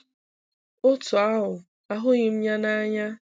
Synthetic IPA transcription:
ʊ˦tʊ˨a˦ɦʊ˨ | a˨ɦʊ˦ɣɪ˨m̩˦ɲa˦na˦ɲa˦

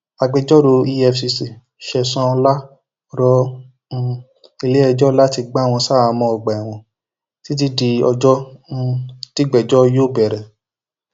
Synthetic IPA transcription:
a˨ɡ͡bɛ˧d͡ʒɔ˦ɾo˧i˧ɛ˧fsi˧si˨ | ʃɛ˨sã˧la˦ | ɾɔ̃˦˧ | i˧le˦ɛ˧d͡ʒɔ˦la˦ti˧ɡ͡ba˦˨w̃ɔ̃˧sa˦˨a˧mɔ̃˧ɔ˨ɡ͡ba˨a˨w̃ɔ̃˨ | ti˦t̬i˦di˧ɔ˧d͡ʒɔ̃˦˧ | ti˦ɡ͡bɛ˨d͡ʒɔ˦˧jo˦˨bɛ˨ɾɛ˨

